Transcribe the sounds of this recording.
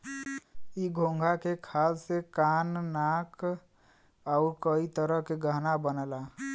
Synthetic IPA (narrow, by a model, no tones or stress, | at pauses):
iɡʱõŋɡʱakekʰassekanːak | aʊɾkəit̪əɾəɦkeɡəɦnabənəla